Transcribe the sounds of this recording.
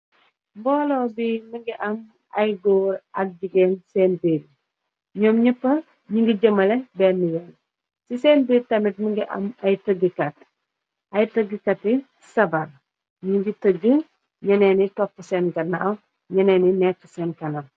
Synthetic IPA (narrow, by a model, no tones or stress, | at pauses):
mbɔːlɔːbiməŋɡiʔɐm | ɐjɡoːɾʔɐk̚d͡ʒuɡeːnsɛːnbeːd | ɲɔːmɲəpːɐ | ɲuŋɡiɟɐmɐlɛbɛːnːijɔn | siseːnbeːdtɐmit̚məŋɡiʔɐ̰mɐjtəɡəkɐt | ɐjtəɡəkɐtːi | sɐbɐr | ɲuŋɡitəɡə | ɲɐnɛːnitɔpːəsɛːnɡɐnːɐʔɐw | ɲɐnɛːninɛkːəsɛːnkɐnɐm